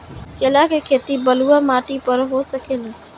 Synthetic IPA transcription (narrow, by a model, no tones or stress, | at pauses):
kelakekʰeːt̪ibəluːamaːʈipəɾɦoːsəkʰena